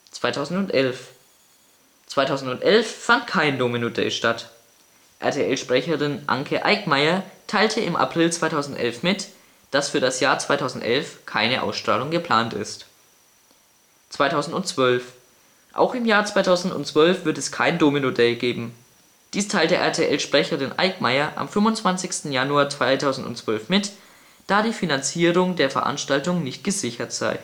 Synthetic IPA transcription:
t͡sv̥aɪtʰaʊzn̩tʊntʔɛlf | t͡sv̥aɪtʰaʊzn̩tʊntʔɛlfːantkʰaɪndoːminodɛ̰ːʃtat | ʔɛ̰ɐtʰeʔɛlʃpʁ̥ɛçəʁɪnʔa̰ŋkʰəʔa̰ɪkmaɪɐtʰaɪltʰəɪmʔa̰pʁ̥ɪlt͡sv̥aɪtʰaʊzn̩tʔɛ̰lfmɪt | d̥asfyːɐdasjaːɐt͡sv̥aɪtʰaʊzn̩tʔɛ̰lfkʰaɪnəʔa̰ʊsʃtʁ̥aːlʊŋɡəpʰl̥aːntɪ̰st | t͡sv̥aɪtʰaʊzn̩tʊnt͡sv̥œlf | ʔa̰ʊxɪmjaːɐt͡sv̥aɪtʰaʊzn̩tʊ̰ntt͡sv̥œlfv̥ɪɐtɛskʰaɪndoːminodɛlɡeːbm̩ | d̥iːstʰaɪltəʔɛ̰ɐtʰeʔɛlʃpʁ̥ɛçəʁɪnʔa̰ɪkmaɪɐʔa̰mfʏmvʊnt͡sv̥ant͡sɪçstn̩januaːɐt͡sv̥aɪtʰaʊzn̩dʊ̰ntt͡sv̥œlfmɪt | d̥aːdiːfinant͡siːʁʊŋdeːɐfɛɐʔa̰nʃtaltʊŋnɪçt̚ɡ̥əzɪçɐtz̥a̰ɪ

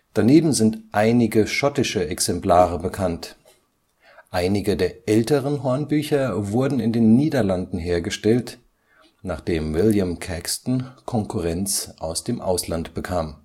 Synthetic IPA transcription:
d̥aneːbm̩zɪntʔaɪnɪɡəʃɔtɪʃəʔɛksɛmpl̥aːʁəbəkʰant | ʔaɪnɪɡədeːɐʔɛltəʁənɦɔɐnbyːçɐvʊɐdn̩ɪndeːnːiːdɐlandn̩ɦeːɐɡəʃtɛlt | naːχd̥eːmvɪljəmkʰɛkstn̩kʰɔŋkʰuʁɛnt͡sʔaʊsd̥eːmʔa̰ʊslantb̥əkʰaːm

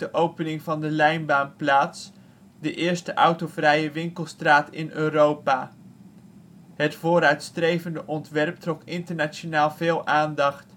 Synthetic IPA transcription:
dəʔowpənɪŋvɑndəlɛjnbaːnplaːts | dəʔɪːɹstəʔɑwtovrɛjəʋɪŋkəlˠstraːtɪnøːrowpaː | ɦətfoːɾœɥtstrejvəndəʔɔntʋɛrp̚trɔkɪntəɹnat͡ʃonaːlˠvɪːlˠʔaːndɑχt

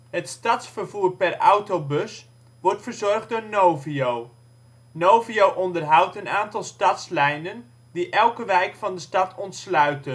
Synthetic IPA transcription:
ɦətstɑtsfərvuːrpɛrawtowbɵs | ʋɔrtfərzɔrχddʊːɹnowviow | nowviowʔɔndərɦʌwtənaːntɑlˠstɑtslɛjnən | diʔɛlˠkəʋɛjkfɑndəstɑtʰɔntslœɥtən

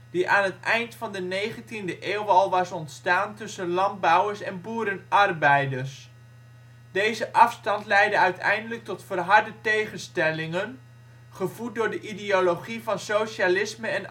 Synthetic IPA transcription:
d̥iʔaːnətɛjntfɑndənejχəntindəʔeːwʋɑlˠʋɑsɔntstaːntɵsənlɑnd̚bɑwəɹsɛnbuːɾənɑrbɛjdərs | dejzəʔɑfstɑntlɛjdəœɥtʰɛ̰jndələk̚tɔtfəːrɦɑɹdətejχənstɛlɪŋən | χəvut̚dʊːɹdəʔidioloχivɑnsoʃalɪsməɛn

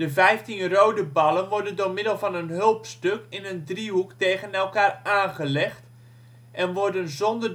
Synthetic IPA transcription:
d̥əvɛjftinrowdəbɑlˠənʋɔɹdəndoɹmɪdəlˠvɑnənɦølˠpstøkɪnəndriɦukteːɣənɛlˠkaːrʔaːnχəlɛxt | ʔɛnʋɔrdənzɔndər

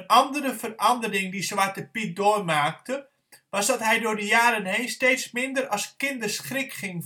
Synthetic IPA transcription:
nʔɑndəɾəvərɑndərɪŋdiswʋat̚dəpit̚doːrmaːk̚tə | ʋɑsdɑtɦɛjdʊːrdəjaːɾənɦejnsteːtsmɪndərɑskɪndərsχrɪkχɪŋ

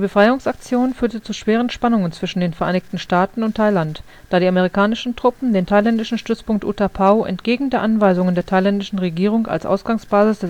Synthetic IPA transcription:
dibəfʁ̥aɪʊŋsak̚t͡sjoːnfyːɐtət͡suʃv̥eːʁ̞ənʃpanʊŋənt͡sv̥ɪʃn̩deːnfɛɐʔaɪnɪçtn̩ʃtaːtn̩ʊntʰːaɪlant | dd̥aːɾiːameʁ̞ikʰaːnɪʃn̩tʁ̥ʊpm̩deːntʰaɪlɛndɪʃn̩ʃtʏt͡spʊŋk̚tʔṵːtʰapʰaʊʔɛ̰ntɡ̥eːɡŋ̩deːɐʔanvaɪzʊŋəndeːɐtʰaɪlɛndɪʃn̩ʁeɡiːʁ̞ʊŋa̰lsʔa̰ʊsɡ̥aŋsb̥aːzɪsd̥ɛs

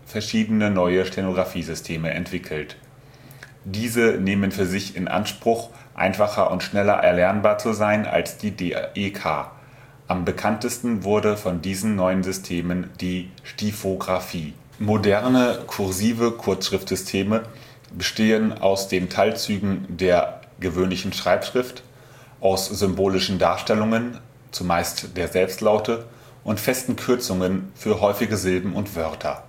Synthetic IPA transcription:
fɛɐʃiːdənənɔʏəʃtʰenoɡʁafiːzʏstʰeːməʔɛ̰ntv̥ɪkʰl̩t | d̥iːzəneːmənfyːɐzɪçɪnʔa̰nʃpʁ̥ʊχ | ʔa̰ɪnfaχɐ̰ʔʊntʃnɛlɐ̰ʔɛ̰ɐlɛɐnbaːɐt͡suzaɪna̰lsd̥iːdeʔekʰa̰ː | ʔambəkʰantəstn̩vʊɐdəfɔndiːzn̩nɔʏənzʏstʰeːmənd̥iːʃtifoɡʁafiː | modɛɐnəkʰʊɐziːvəkʰʊɐt͡sʃʁ̥ɪftz̥ʏstʰeːmə | bəʃteːəna̰ʊsd̥eːntʰaɪlt͡syːɡŋ̩deːɐ | ɡ̥əvøːnlɪçn̩ʃʁ̥aɪpʃʁ̥ɪft | ʔaʊsz̥ʏmboːlɪʃn̩daːɐʃtɛlʊŋən | t͡sumaɪstd̥eːɐzɛlpstlaʊtə | ʔʊntfɛstn̩kʰʏɐt͡sʊŋənfyːɐɦɔʏfɪɡəzɪlbm̩ʊntv̥œɐtʰɐ̰

